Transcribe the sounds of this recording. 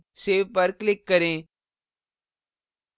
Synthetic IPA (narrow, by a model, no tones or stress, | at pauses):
seːʋpəɾklɪkːəɾẽː